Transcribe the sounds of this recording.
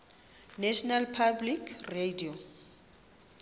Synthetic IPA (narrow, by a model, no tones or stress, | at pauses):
nɛʃɔnalpʰablikʰredio